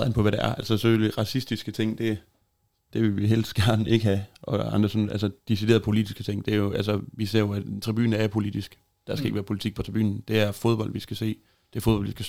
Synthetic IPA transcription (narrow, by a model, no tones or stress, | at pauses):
ðˠenpɒ̽ʋæɾ̥ææɐælsəseføliʁɑ̈sisd̥isɡ̥ət͡sʰe̝ŋ̰d̥e̝ | d̥e̝ʋe̝lʋiɦel̥sɡ̥æɐd̥n̩e̝ɡ̥əhæʔɒ̽ɑnd̥ʁɐsɒnælsəd̥iside̝̰ɐðˠpʰolid̥isɡ̥ət͡sʰe̝ŋ̰d̥e̝æɐjo̝ʔælsʋis̬e̝ɐ̰jo̝æ̥t͡sʰʁib̥y̰ːn̩æɐjpʰo̝lid̥isɡ̥ | d̥æɐsɡ̥e̝ɡ̥ʋæːɐpʰo̝lit͡sʰiɡ̥pʰɒt͡sʰʁiby̰ːn̩d̥e̝æɐfoð̞ˠb̥ɒ̽l̰d̥ʋisɡ̥æse̝̰ː | d̥e̝æfoðbɒl̰dʋisɡ̥